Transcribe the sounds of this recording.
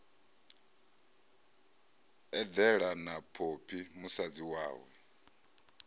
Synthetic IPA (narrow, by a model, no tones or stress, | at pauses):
ɛd̪ɛɺanapʰopʰimusad͡ziwa̰ːwɛ